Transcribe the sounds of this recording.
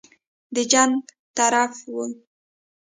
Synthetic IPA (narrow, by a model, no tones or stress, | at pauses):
d̪əd͡ʒaŋɡ | t̪aɾafwu